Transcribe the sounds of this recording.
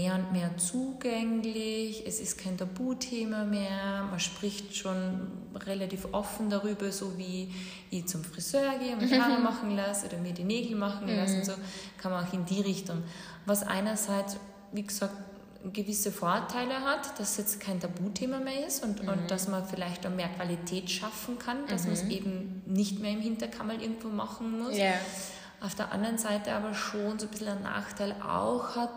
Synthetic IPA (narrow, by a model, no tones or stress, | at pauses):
eːɐʊntmeːɐt͡suːɡɛŋlɪçɛsɪst̚kʰaɪntʰabuːtʰeːmameːɐmanʃpʁ̥ɪçtʃoːn | ʁelatiːfʔɔfn̩daʁyːbɐzoːviː | vit͡sʊmfʁ̥iz̥øːɐɡeːʊnhaːʁəmaχn̩lasʔo̰ːdɐmiːɐdiːneːɡl̩maχn̩lasnz̥oːkʰanmɐnaʊxɪndiːʁɪçtʊŋ | vasʔa̰ɪnɐzaɪt͡s | viːɡəz̥aːk̚t | ɡ̥əvɪsəfoɐtʰaɪləɦatd̥assjɛt͡stkʰaɪntʰabuːtʰeːmameːɐɪsʊntʊnt̚d̥asmɐnfɪlaɪçtameːɐkv̥alitʰɛːtʃafn̩kʰand̥asmɐnsʔeːbm̩nɪçtmeːɐɪmhɪntɐkʰamalʔɪɐɡŋ̩tvoːma̰xn̩mʊs | ʔaʊfd̥eːɐʔa̰ndɐʁənzaɪtəaːbɐʃoːnzoːb̥ɪsl̩əna̰ːxtʰaɪlʔa̰ʊxhat̚